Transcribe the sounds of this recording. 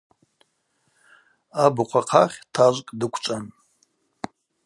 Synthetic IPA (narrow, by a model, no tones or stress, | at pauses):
abɨqʷʰaqʰaχʲtʰaʒʷkʼdɨkʷʰt͡ʃʷʼan